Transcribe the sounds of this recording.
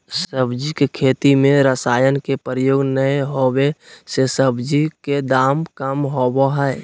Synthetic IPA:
səbd͡ʒikekʰeːt̪imẽɾəsaːjənkepəɾəjoːɡnəeɦowesesəbd͡ʒiked̪aːmkəmɦoboɦɛɪ

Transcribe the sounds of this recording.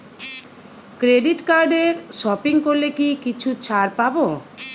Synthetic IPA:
kɾeɖiʈkaɾɖeɾsɔpiŋkolekikit͡ɕʰut͡ɕʰaɾpabo

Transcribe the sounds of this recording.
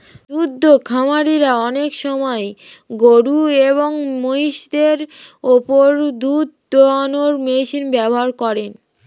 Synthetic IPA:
d̪ud̪ʱːokʰamaɾiɾaɔnekʃɔmɔe | ɡoɽueβoŋmoɦiʃd̪eɾopoɾd̪ud̪ | oanoɾmeʃinbɛboɦaɾkɔɾen

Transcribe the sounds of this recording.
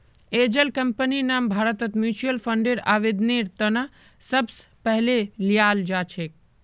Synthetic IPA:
eːd͡ʒəlkəmpəninaːmbʱaːɾət̪ət̪mjuːt͡ʃəlfʰəɳɖeɾaːʋid̪niɾt̪əna | səbspəɦlelijaːld͡ʒaːt͡ʃʰeːk̚

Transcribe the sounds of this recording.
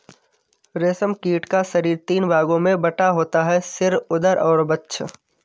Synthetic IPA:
ɾeːsəmkiːʈkasɐɾiːɾt̪iːnbaːɡõmẽbɐʈaɦoːt̪aɦɛsɪɾʊd̪əɾʔɔːɾbɐtːʃʰ

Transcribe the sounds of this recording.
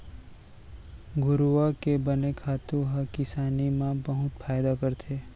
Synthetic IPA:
ɡʊɾʋakebənekʰaːt̪ũɦəkɪsaːnimãbəɦʊt̪fʰaːjd̪akəɾt̪ʰeː

